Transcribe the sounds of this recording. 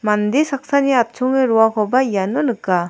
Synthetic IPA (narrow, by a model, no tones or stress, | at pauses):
mand̪esak̚saniat̚t͡ʃʰɔŋeɾɔakʰɔbaijanːɔnɯkːa